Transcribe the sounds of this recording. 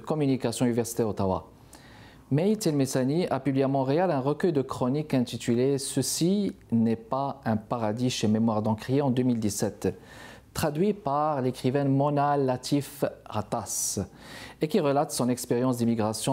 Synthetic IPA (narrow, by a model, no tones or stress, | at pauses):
əkɔmynikasjɔ̃ynivɛʁsi̥t̪ɛʁot̪awa̰ | mɛit̪ɛlmesaniapyblijamɑ̃ʁealɛ̃ʁəkœjd̪əkχɔnikɛ̃t̪it̪ylesəsinɛpaɛ̃paʁad̪iʃememwaʁd̪ɑ̃kʁjeɑ̃d̪ømild̪isɛt̪ː | χad̪ɥipaʁlekχivɛ̃mɔnalːat̪ʰifʁat̪as | ekiʁəlat̪sɔ̃nɛkspeʁjɑ̃sd̪imiɡʁasjɔ̃